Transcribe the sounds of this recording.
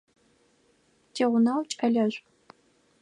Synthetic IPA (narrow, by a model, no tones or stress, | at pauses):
tʰeːʁʷʊnawt͡ʃʼpʰɐɮɐɕʷʼ